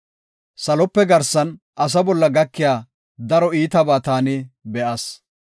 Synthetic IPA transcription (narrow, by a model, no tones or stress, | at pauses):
sɐlɔpːɛɡɐɾsɐn | ʔɐs̬ɐbɔlːɐɡɐkːɪjaː | d̪ɐɾɔiːt̪ɐbaːt̪aːnɪbɛʔɐs